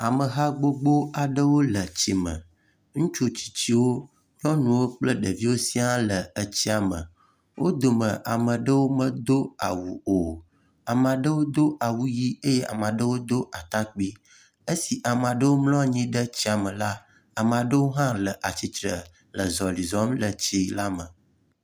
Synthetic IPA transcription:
a˨mə˨ɦa˦ɡ͡bo˦ɡ͡bo˦a˨ɖə˦wo˦lə˨t͡ɕi˦mə̰̃˨ | ŋũ˦t͡ʃu˦t͡ɕi̥˨t͡ɕi˦wo˦ | ɲɔ̃˦nũ˨wo˦k͡plə˦ɖə˨vi˦wo˦si˦ã˦lə˨ə˦t͡ɕi˦a˨mə̰˨ | wʔo̰˦d̪o˨mə̃˨ʔa˨mə˨ɖə˦wo˦mə̃˦d̪o˦a̰˨wu˨o˨ | a˨m˨ã˨ɖə˦wo˦d̪o˦ʔa˨wu˦ji˦e˦je˦ʔa̰˨mã˨ɖə˦wo˦d̪o˦ʔa˨t̪a˦k͡pi˦ | ə˦si˨ʔa˨m˨ã˨ɖə˦wo˦mlɔ˦˨ɲĩ˦ɖə˦t͡ɕi˦a˨mə˨la˦ | a˨mã˨ɖə˦wo˦ɦã˦lə˨ʔa˨t͡ɕi˨t̪ɾə˨ | lə˨zɔ˨li˨zɔ˦mlə˨t͡ɕi˦la˦mə˨

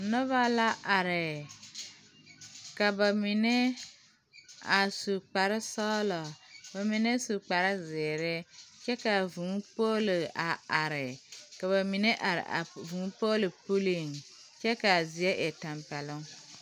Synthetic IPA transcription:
nɔ˦βa˦la˦ʔa˨ɾɪ˨ | ka˨ba˨mi˨ne˦ | a˨su˨k͡pa˨ɾɪ˦sɔː˦lɔ˨ba˨mi˨ne˦su˨k͡pa˨ɾɪ˦zɪː˨ɾɪ˦t͡ʃɛ˦ka˨vũ˨˦po˦lɪ˨a˨a˨ɾɪ˨ka˨βa˨mi˨ne˦ʔa˨ɾ̰a̰˨vũ˨˦po˦lɪ˨pu˦li˦˨ŋ | t͡ʃɛ˦ka˨zi˨ɛ˦ʔe˨ta˨mpɛ˨lʊ˦ŋ

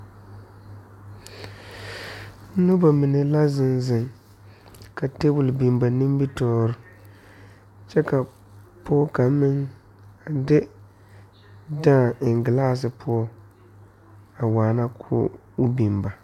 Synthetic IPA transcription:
nʊ˦ba˨mɪ˨nɛ˨la˦zɪ˨nzɪ˨ŋ | ka˨te˦bʊ˨lbi˨mba˨nɪ˦m˦bi˦tɔː˦ɾʊ˨ | t͡ʃɛ˦ka˨ | pʰo˦ka˨mɪ˦ŋ | a˨dɪ˦ | dãː˦˨ɪ˨ŋ˨ɡɪ˨laː˦s̬ɨ˨pʰʊ˦ɔ˦ | a˨waː˨na˦kʰʊ̰ː˦ | bi˨mba˨

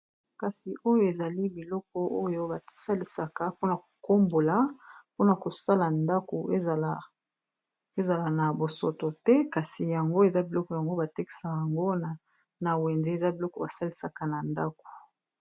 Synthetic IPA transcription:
ka˨si˨ʔo˦jo˦e˨za˨li˦bi˨lɔ˦k̚ɔ˦ʔo˦jo˦ba˨˦sa˦li˨sa˨ka˨po˦na˨ko̥˨ko˦mbo˨la˦po˦na˨ko˨sa˦la˨nda˦ko˨e˦˨ | e˦za˨la˨na˨bo˨so˨to˨tɛ˦ka˨si˨ja˨ŋɡo˦e˨za˦bi˨lɔ˦kɔ˨ja˨ŋɡo˦ba˨te˦ki̥˨sa˨ja˨ŋɡo˦na˨ | na˨wɛ˨nze˦e˨za˦bi˨lɔ˦kɔ˨ba˨sa˦li˨sa˨ka˨na˨nda˦ko̥˨

